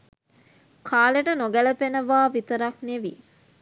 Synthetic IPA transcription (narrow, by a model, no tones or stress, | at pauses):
kʰaːleʈənoɡæləpenəʋaːʋit̪əɾakneʋi